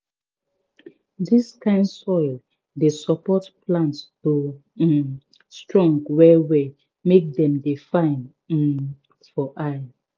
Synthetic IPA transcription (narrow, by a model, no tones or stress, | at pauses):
distʰãɪ̃nsɔɪl | desɔpɔtplãntsto | stɹɔ̃ŋɡwɛwɛ | mek̚dɛ̃mdefãɪ̃n̩ | fɔʔaja